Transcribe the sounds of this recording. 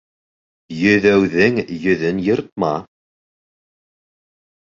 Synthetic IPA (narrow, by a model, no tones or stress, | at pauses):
jɵ̆ðæwðɘŋjɵ̆ðɘnjɤ̆ɾt̪̚mɑ